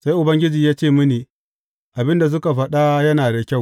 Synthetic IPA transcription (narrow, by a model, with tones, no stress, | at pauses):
sa˦jʔʊ˨bɐ˦ŋɡʲɪ˦d͡ʒiː˨jaː˦t͡ʃeː˦˨mɪ˦neː˨ | ʔa˨bɪ˦nda˨s̬ʊ˦ka˨ɸɐ˨ɗa˦jɐ˦naː˨da˨kʲa˦˨w